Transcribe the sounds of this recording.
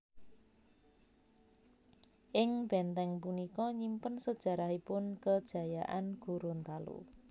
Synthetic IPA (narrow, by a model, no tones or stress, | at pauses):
ʔɪŋb̥ɛnt̪ɛŋpunikɔɲimpənsəd̥ʒ̥ä̤ɾaɦipʊnkəd̥ʒ̥ä̤jaʔanɡ̥uɾʊnt̪alṵ